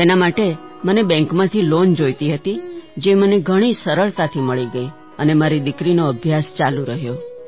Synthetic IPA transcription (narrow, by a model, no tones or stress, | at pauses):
t̪enamaʈemənebɛ̃ŋkmãt̪ʰilond͡ʒojt̪iɦət̪id͡ʒeməneɡʱəɽ̃isəɾəɭt̪at̪ʰiməɭiɡəi | ənemaɾid̪ɪkɾinoəbʱjast͡ʃalũɾəɦjo